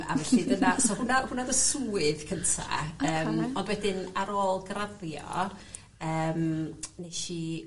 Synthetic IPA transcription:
a̰vɛɬidənasɔhʊnahʊnadəsuːɪðkʰəntʰa̰əːmɔndwɛdɪnaɾoːlˠɡraðjɔ̰ | əːmnejʃi

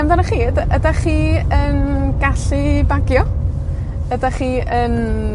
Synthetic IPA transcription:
ɛmdanəχiːdədaχiːənɡaɬɨbaɡjɔ | ədaχiːən

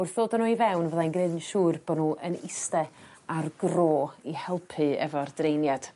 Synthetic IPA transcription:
ʊrθðoːdənuːivɛwnvəðajnɡnedənʃuːrbɔnuːʔənɪstɛ | arɡroːihɛlˠpʰɨɛ̰vɔrdrejnjad̥

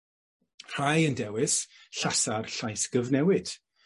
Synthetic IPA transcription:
r̥ajəndɛwɪs | ɬasarɬajsɡ̥əvnɛwɪd̥

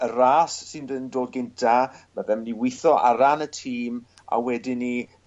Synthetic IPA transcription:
əɾaːsːɪndənndoːd̚ɡɪntʰamaðɛmniwɪθɔʔaɾanətʰiːm | a̰wɛdɪni

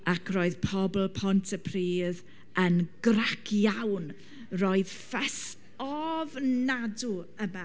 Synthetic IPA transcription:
akʰrɔːɨðpʰɔbl̩ˠpʰɔntʰəpʰriːð | ənɡ̥rakʰjawn | roɨð̥ | fɛs | ɔvnaduəma

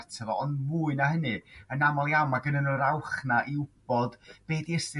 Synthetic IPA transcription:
rtʰəvɔɔndvuːɨnaɦənɨənamɔlˠiamaɡənənəɾawχnaʔiʊb̥ɔd̥b̥eːdiɛstɪ

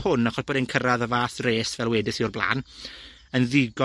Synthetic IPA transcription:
hʊnaχɔsboːdɪnkʰəɾaðəvaːθreːsvɛlˠwɛdɪθiʊrblˠa̰ːn | ənðɪɡɔ

